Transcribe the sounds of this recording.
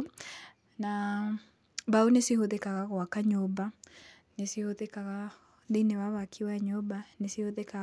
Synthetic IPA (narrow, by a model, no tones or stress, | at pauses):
na | baonesihoðekaɣaɣwakaɲoba | nesihoðekaɣa | ðineβaβakʰiwaɲobanesihoðeka